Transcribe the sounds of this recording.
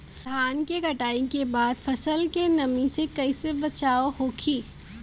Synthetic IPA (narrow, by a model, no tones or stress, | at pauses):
d̪ʱaːnkeɡʱɐʈaːikebaːd̪fɐsəlkenɐmĩsekɐisebɐt͡ʃaːoɦoːkʰiː